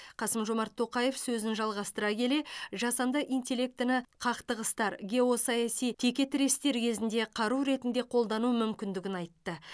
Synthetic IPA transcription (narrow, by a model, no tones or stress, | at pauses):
qʰɑsəmʒo̞mɑɾt̪ʰːo̞qɑje̞fsɵzɪnʒɑlˠʁɑst̪əɾɑkʲʰe̞le̞ʒɑsɑnd̪ɑʔijnt̪ʲe̞lʲe̞k̚t̪ɪnɪqʰɑqt̪əʁəst̪ɑɾɡʲe̞o̞sɑjɑsijt̪ʰe̞kʲe̞t̪ɪɾe̞st̪e̞ɾkʲʰe̞zɪnd̪e̞qʰɑɾuɾe̞t̪ɪnd̪e̞qʰo̞lˠd̪ɑnumʏmkʲɪnd̪ɪɡʲɪnɑjt̪ːə